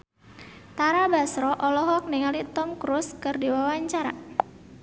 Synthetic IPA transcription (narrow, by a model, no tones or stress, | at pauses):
t̪aɾabasɾɔʔɔlɔɦɔk̚niŋalit̪ɔmkɾuskɨrdiwawaɲt͡ʃaɾa